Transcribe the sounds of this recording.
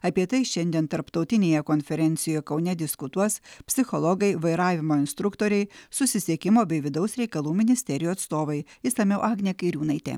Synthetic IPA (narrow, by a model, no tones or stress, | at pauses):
ɐpʲiɛt̪ɐɪʃʲɛnʲd̪ʲiɛnt̪ɐɾpt̪ɒʊt̪ʲɪnʲeːjɛkonʲfʲɛɾʲɛnʲt̪sʲɪjoːjɛkɒʊnʲɛd̪ʲɪskʊt̪uɔspʲsʲɪxɔlˠɔɡɐɪʋɐɪɾɑːʋʲɪmoːɪnst̪ɾʊkt̪oːɾʲɛɪsʊsʲɪsʲiɛkʲɪmoːbʲɛɪʋʲɪd̪ɐʊsɾʲɛɪkɐlˠuːmʲɪnʲɪsʲt̪ʲɛɾʲɪjuɐt̪st̪oːʋɐɪɪsɐmʲɛʊʔɑːɡnʲekɐɪɾʲuːnɐɪt̪ʲɛ̰